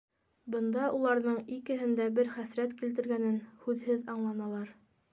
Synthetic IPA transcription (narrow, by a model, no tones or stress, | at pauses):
bɤ̆nd̪ɑʔulˠɑɾðɤɴikɘ̆ɦɘ̆nd̪æbɘɾχæsɾæt̪kilt̪ɘ̆ɾɡænɘnhʉðhɘðɑɴlˠɑnɑlˠɑɾ